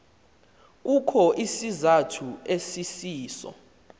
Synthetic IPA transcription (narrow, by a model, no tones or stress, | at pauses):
k̬ukʰɔʔisizatʰuesisiːsɔ̰